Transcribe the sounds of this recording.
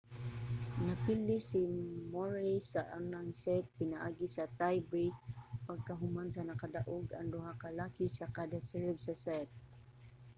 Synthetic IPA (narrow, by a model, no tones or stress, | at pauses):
napilɪsimoɹajsaʔanaŋsɛt̪̚pɪnaʔaːɡisat̪ajbipaɡ̚kaɦʊmansanakad̪aʔʊɡa̰ŋd̪ʊɦakalakisakad̪asɛɹbsasɛt̪̚